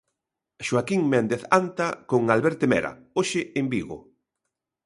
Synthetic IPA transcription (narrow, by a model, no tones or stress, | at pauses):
ʃwakiŋmɛnd̪eθant̪akoŋalβɛɾt̪emɛ̰ɾa̰ | oʃɪembiɣo̰